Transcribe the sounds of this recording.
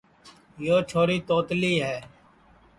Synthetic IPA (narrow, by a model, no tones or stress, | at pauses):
joːt͡ʃʰoːɾiːt̪oːt̪liːɦɛː